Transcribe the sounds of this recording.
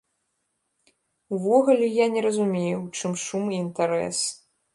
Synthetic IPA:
uvɔɣulʲɛjanʲɛɾɐzumʲejut͡ʂɨmʂumiːnt̪aɾɛ̰s

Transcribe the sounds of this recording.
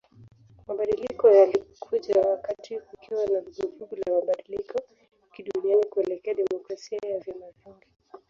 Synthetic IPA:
maɓaɗilikɔjalikʰuʄawakatiukʰiwanaluɡuhuɡulamaɓaɗilikɔ | kiɗunianikuɛlɛkɛaɗɛmɔkɾasiajavjamaviŋɡi

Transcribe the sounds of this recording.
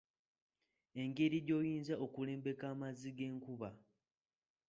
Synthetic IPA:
e̞ŋɡe̞ɾiɾjo̞ːjiːnzaʔokule̞ːmbe̞kaːmaziɡe̞ːŋkuβa

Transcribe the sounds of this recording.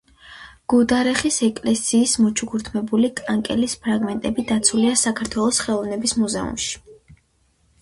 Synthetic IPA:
ɡ̥ud̪aɾɛχisɛkʼlɛsiːsmɔt͡ʃʰuɡuɾt̪ʰmɛbulikʼaŋkʼɛlispʰɾaɡmɛnt̪ʼɛbid̪at̪sʰuliasakʰaɾt̪ʰwɛlˠɔsχɛlˠɔvnɛbismuzɛṵmʃi̥

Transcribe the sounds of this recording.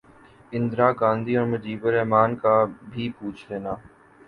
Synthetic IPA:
ɪ̃nd̪ɾaːɡãːnd̪ʱiːɔːɾməd͡ʒiːbəɾɛɦmaːnkaːbʱiːpuːt͡ʃʰleːnaː

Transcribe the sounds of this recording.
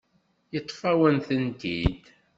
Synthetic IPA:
jət̪ˤːfæwənθənt̪id̪

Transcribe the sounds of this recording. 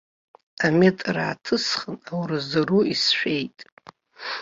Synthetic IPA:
ametʼra̰ːtʰɨsχənawrɨzaruisʃᶣejtʼ

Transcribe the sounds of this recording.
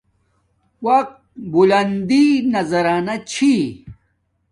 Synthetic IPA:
wɐq̚t̪̚bulɐnd̪inɐzɐɾaːnat͡ɕʰi

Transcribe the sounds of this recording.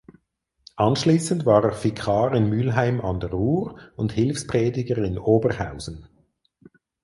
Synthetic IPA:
ʔɑnʃliːsəndvaːʁeːɐfikʰɑːʁɪnmylɦaɪmɑndɛʁuːʁʊnthɪlfspʁɛːdɪɡəʁɪnoːbəʁhaʊz̥n̩

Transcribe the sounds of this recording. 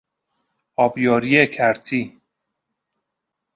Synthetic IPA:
ɒːbjɒːɾiekʰæɾt̪ʰiː

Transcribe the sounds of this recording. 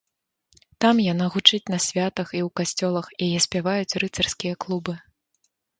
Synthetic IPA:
t̪amjanaɣut͡ʂɨt͡sʲnɐsʲvʲat̪ɐxiwkasʲt͡sʲɔlˠɐxjajɛsʲpʲavajut͡sʲrɨt̪sɐrskʲijɐklˠubɨ

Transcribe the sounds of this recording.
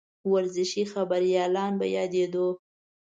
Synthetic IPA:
waɾzɪʃixabaɾjɑlɑnba̰jɑd̪ed̪o

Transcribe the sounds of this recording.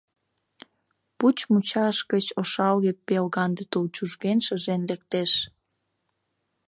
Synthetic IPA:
put͡ɕmut͡ɕɑʃkət͡ɕoʃɑlɣepelɣɑnd̪et̪olt͡ɕuʒɣenʃəʒenlekt̪eʃ

